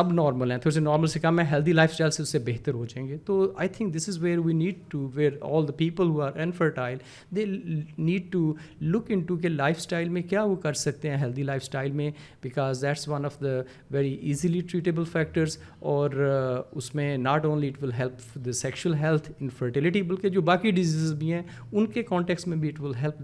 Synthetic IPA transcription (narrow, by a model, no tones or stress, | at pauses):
sɐbnɔːɾməlɦɛ̃t̪ʰoːɾsenɔːɾməlsekɐ̃mɛ̃ɦɛlt̪ʰilaːɪfsʈaːɪlseʊsːebeɦt̪əɾɦoːd͡ʒaẽːŋɡet̪oːaːɪt̪ʰɪ̃ŋk̚d̪ɪsɪzʋeːɾʋiːniːɖ̚ʈuʋeːɾɔ̰ːld̪əpiːpəlɦuːaːɾɪ̃nfəɾʈaːɪl | d̪eːniːɖ̚ʈu | lʊkɪ̃ɳʈuk̬elaːɪfsʈaːɪlmẽkjaːʋokɐɾsɐk̚t̪ẽɦɛ̃ɦɛlt̪ʰilaːɪfsʈaːɪlmẽbɪkɔːzd̪æʈsʋɐ̃nɔfd̪ə | ʋɛɾiʔiːziliʈɾiːʈebəlfɛk̚ʈəɾz | ɔːɾʊsmẽnaːʈõːnliɪʈʋɪlɦɛlp | d̪əsɛkʃuəlɦɛlt̪ʰɪ̃nfəɾʈɪlɪʈibɐlked͡ʒoːbaːkiɖɪziːzɪzbʱiɦɛ̃ː | ʊnkekɔ̃ːɳʈɛksʈmẽbʱiɪʈʋɪlɦɛlp̚